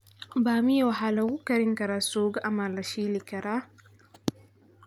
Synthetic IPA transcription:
baːmijawaɦalɐwukɐɾɪŋkɐɾasoːɡaʔamalaʃiːlikɐɾʔa

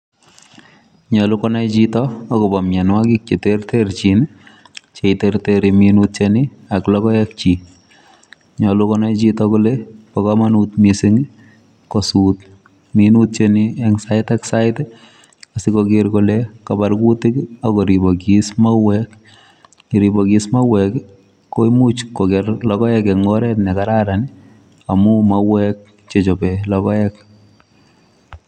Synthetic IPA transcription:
ɲɔlukɔnajt͡ʃitɔːkɔbɔmjanwakik̚t͡ʃetertert͡ʃin | t͡ʃeiterteɾiminut̚t͡ʃeni | aklɔkɔɛk̚t͡ʃi | ɲɔlukɔnajt͡ʃitɔklepakɔmanut̪misɪŋ | kɔsuːt | minut̚t͡ʃeniɛŋsaɪtɛksaɪt | asɪkɔɡɪɾkolekabaɾkutikakɔɾibɔkismawɛk | iɾibɔɡismawɛk | kːoimut͡ʃkoɡɛɾlɔkɔɛkɛŋɔɾɛtnɛkaɾaɾanɪ | amʊmawɛk̚ | t͡ʃet͡ʃɔpɛlɔkɔɛk̚

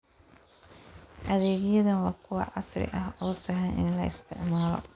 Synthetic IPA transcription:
ʔɐðɛːɣjɐðɐnwɑːkʰʊwɑ̰ʕɑsrɪ̰ʔɐɦɔːsɐɦɐnʔɪ̰nlɐ̰ɪst̪ʰɪ̰ʕmaːlɔ̰

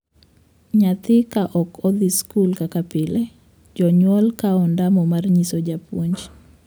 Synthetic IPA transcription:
ɲat̪ɪkaʔɔkɔd̪iskulkakapɪlɛ | d͡ʒɔɲwɔlkaɔndamɔmarɲisɔd͡ʒapwoɲd͡ʒ

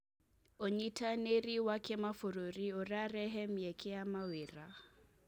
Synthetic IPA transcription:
oɲitʰaneɾiwakɛmafoɾoɾioɾaɾɛɦɛmjɛkʰɛamaweɾa

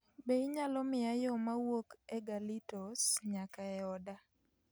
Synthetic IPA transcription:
beiɲalɔmɪajɔmawokɛɡalitɔsɲakaɛɔda

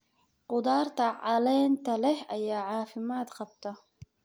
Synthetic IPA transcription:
qʊd̪aːrt̪ʰɐʕɑlɛːnt̪ʰɐlɛhɐjaːʕɑːfɪmaːd̪qɑbt̪ʰɐ

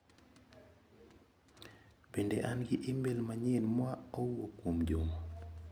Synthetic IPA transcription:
bendeʔanɡɪʔɪmbelmaɲɛnmwaɔwokwomd͡ʒomo

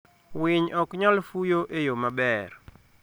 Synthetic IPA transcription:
wɪɲʔɔkɲɔlfujoʔejomabɛr

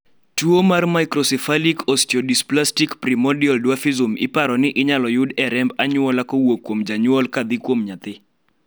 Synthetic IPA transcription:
tuomarmajkɾɔsɛfalikʰɔstɔdisplastikpɾimɔdiɔldwafizomɪ̰paɾɔnɪʔɪɲalɔjʊdɛɾɛmbaɲʊwɔlakowokːwomd͡ʒaɲʊɔlkad̪ɪkwomɲat̪ɪ

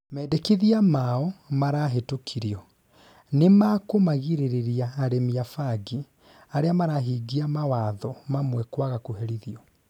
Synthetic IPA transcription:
mɛːdɛkiðiamaɔmaɾaɦetokʰiɾiɔ | nemakomaɣiɾeɾeɾiaːɾemiafaɡi | aɾeamaɾaɦiːɡiamawaːðɔmamwɛkwaɣakoɦɛɾiðiɔ

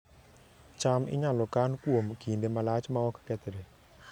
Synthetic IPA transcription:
t͡ʃamɪ̰ɲalɔkankwomkindemalat͡ʃmaɔkkɛt̪ɾe

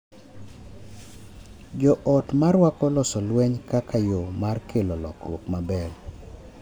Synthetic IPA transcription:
d͡ʒɔʔɔtmarwakɔlɔsɔlwɛɲkakʰajomarkʰelolɔ̰kɾwokmabɛl

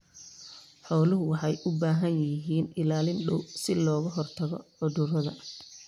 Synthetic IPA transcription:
ħɔːlʊɦʊwɑħɑjʔʊbaːɦɐnjɪɦiːnɪlaːlɪnɖɔ̰wsɪlɔːɣɐɦɔrt̪ʰɐɣɔ̰ʕʊðʊrɐðɐ

